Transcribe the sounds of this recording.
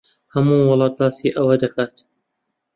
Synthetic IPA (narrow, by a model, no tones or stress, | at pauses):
hɐmuwʊlˠɑːt̪̚baːsiʔɐwɐd̪ɐkʰaːt̪